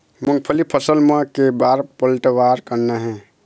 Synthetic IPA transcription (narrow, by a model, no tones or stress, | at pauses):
munpʰəlipʰəsəlmẽkebaɾpəlʈwaɾkəɾnəɦɛ̃